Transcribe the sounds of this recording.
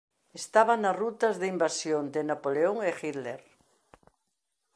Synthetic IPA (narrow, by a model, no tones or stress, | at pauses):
est̪aβanarut̪ɐzðeimbasjond̪enapoleoŋexiðleɾ